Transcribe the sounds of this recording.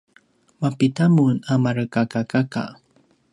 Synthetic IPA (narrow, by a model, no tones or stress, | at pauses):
mapitamunamaɾəkakakaka̰